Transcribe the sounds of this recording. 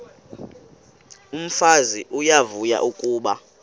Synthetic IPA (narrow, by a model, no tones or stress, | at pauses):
um̩faziʔujavuja̰ʔukʼuːɓa